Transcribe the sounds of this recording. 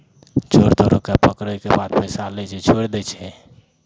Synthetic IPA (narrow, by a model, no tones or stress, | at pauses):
t͡ʃoɾt̪oɾokepəkɾəjkebad̪̚pɛjsalɛt͡ʃʰɛt͡ʃʰoɾd̪ɛt͡ʃʰɛ